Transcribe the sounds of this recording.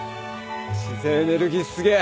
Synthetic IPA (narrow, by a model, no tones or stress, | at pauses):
ɕizeneɾɯɡʲisɨɡe